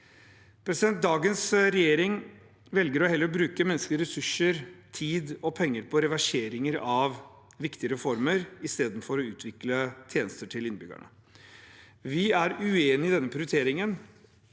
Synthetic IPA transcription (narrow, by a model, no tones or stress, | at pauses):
pʰɾɛsɪd̪ɛnt̪̚d̪ɑːɡənsɾɛjeːɾɪŋ | ʋɛlɡəɾɔhɛlːəɾɔbɾʉːkəmɛnːsklɪəɾɛsʉʂəɾt̪ʰiːd̪ɔpʰɛŋːəɾpʰɔɾɛʋæʂeːɾɪŋəɾɑʋ | ʋɪkt̪ɪəɾɛfɔɾməɾɪst̪eːd̪n̩fɔɾɔʉːt̪ʰʋɪklət̪ʰjeːnəst̪əʈʰɪlɪnbʏ̰ɡ̰ɳə̰ | ʋɪæɾʉeːnɪd̪ɛnːəpʰɾɪʊɾɪt̪ʰeːɾɪŋən